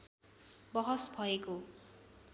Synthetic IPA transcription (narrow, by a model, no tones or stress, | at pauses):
bʌɦʌsbʱʌeko